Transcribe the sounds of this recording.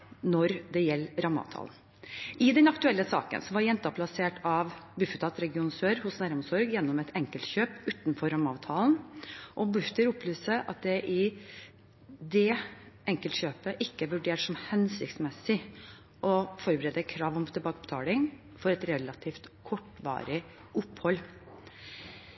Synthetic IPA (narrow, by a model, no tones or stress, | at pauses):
nɔɾd̪ɛjɛlːɾɑmɑ̰ʋt̪ʰɑ̰ːln | ɪd̪ɛnɑkt̪ʉɛlːəsɑ̰ːkə̰nsɔʋɑɾjɛnt̪ɑpʰlɑseːʈɑʋbʉfət̪ʰɑt̪ɾɛɡɪuːnsøːɾhʊsnæːɾɔmsɔɾɡjɛnːɔmɛt̪ʰɛŋkəlt̪çøːpʉːt̪nfɔɾɑmːɑːʋt̪ʰɑːlnʔɔbʉft̪əɾʊpːlyːsəʔɑ̰t̪̚d̪ɛʔɪ | d̪ɛʔɛŋkəlt̪ɕçøːpəʔɪkːəæʋʉɖeːʈʂɔmhɛnsɪkt̪smɛsɪ | ʔɔfɔɾbəɾɛːd̪əkʰɾɑːʋɔmt̪ʰɛlbɑːkəbət̪ʰɑ̰ːlɪŋ | fɔɾɛt̪ɾɛlːɑt̪ʰiːft̪kʰɔʈːʋɑ̰ːɾɪ | ʔʊphɔlː